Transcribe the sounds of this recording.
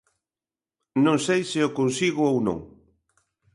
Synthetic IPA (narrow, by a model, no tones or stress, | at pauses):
nõŋsejsɪʊkonsiɣʊownõ̰ŋ